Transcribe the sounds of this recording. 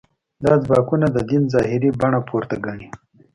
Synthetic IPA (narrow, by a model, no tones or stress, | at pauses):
d̪ɑzbɑkunad̪əd̪inzɑhɪɾibaɳapʰoɾt̪aɡaɳi